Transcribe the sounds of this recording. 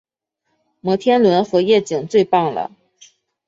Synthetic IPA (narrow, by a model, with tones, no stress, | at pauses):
mɤ˧˥t̪ʰjɛ˥nlwə˧˥nxɤ˧˥jɛ˥˩t͡ɕi˨˩ŋt͡swe˥˧ɪpɑ˥˩ŋlə̰˩